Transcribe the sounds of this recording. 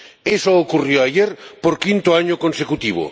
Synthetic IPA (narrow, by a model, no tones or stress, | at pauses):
esookurjoaʝeɾpoɾkint̪oaɲʊkonsekut̪iβo̰